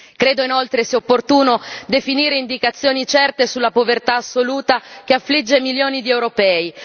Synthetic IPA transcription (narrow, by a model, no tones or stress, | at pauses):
kɾeːd̪oinolt̪ɾesiopːort̪uːnod̪efiniːɾeind̪ikat̪sːjoːnit͡ʃɛrt̪esulːapovert̪aːsːoluːt̪ak̟eafːlid͡ʒːemiljoːnid̪iɛwɾopɛːi